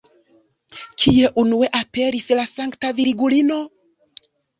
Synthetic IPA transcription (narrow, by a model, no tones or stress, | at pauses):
kʰie̞ʔunue̞ʔape̞ɾislasaŋktaviɾiɡulino̞